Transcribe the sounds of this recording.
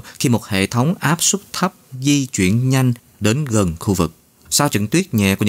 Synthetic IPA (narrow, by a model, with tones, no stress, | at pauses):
xi˧mo˨˩t̚hḛ˧˨t̪ʰə˨˦wŋ͡mʔaː˦˥p̚sʊ˦˥k͡p̚t̪ʰə˦˥p̚zi˧t͡ɕwi˧˩˨ənɲa˧jŋ̟ | ɗe˨˦nɣə˨˩nxu˧vɨ˨˩k̚ | saː˧wt͡ɕɨ̰˧˨ŋt̪wi˦˥ət̚ɲɛ̰˧˨ku˧˩˦